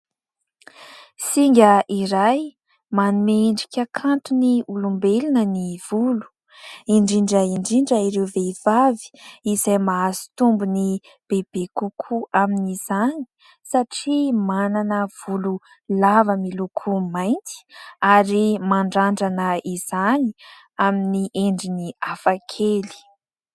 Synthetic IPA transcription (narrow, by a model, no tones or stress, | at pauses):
siŋɡʲəʔiɾaj | manumeɳɖ͡ʐikʲəkʰant̪uniulumbelinəniv̥ulu̥ | iɳɖ͡ʐiɳɖ͡ʐəiɳɖ͡ʐiɳɖ͡ʐəiɾeveiv̥avi̥izajmaazi̥t̪umbuni | b̥eb̥ekukʰuaminiz̥ani̥ | saʈ͡ʂimananəv̥ulu | lavəmilukʰumajnt͡s̪i̥aɾimaɳɖ͡ʐaɳɖ͡ʐanəiz̥ani | aminiʔeɳɖ͡ʐiniafakʰeli̥